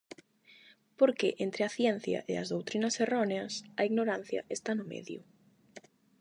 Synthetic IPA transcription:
poɾkeʔent̪ɾɪɐθjɛn̟θjɐ̰ʔḛɐzðowt̪ɾinɐseroneɐsɐiɣnoɾan̟θjɐ̰ʔest̪anʊmḛðjʊ̰

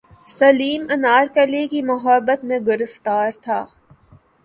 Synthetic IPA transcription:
sɐliːmɐnaːɾkəlikimʊɦəbːət̪mẽɡʊɾəft̪aːɾt̪ʰaː

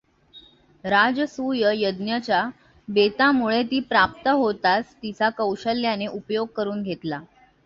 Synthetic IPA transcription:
ɾad͡zəsujəjəd̪njət͡ɕa | bet̪amuɭet̪iːpɾap̚t̪əɦot̪ast̪it͡sakəwɕəljaneʔupjoɡ̚kəɾuːnɡʱet̪la

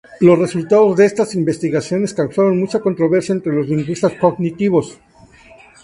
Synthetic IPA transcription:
lo̞sre̞sult̪að̞o̞zðe̞est̪asimbe̞st̪iɣasjo̞ne̞skawsaɾo̞nmut͡ʃako̞nt̪ɾo̞βe̞ɾsjaent̪ɾe̞lo̞zliŋɡwist̪asko̞ɣnit̪iβ̞o̞s

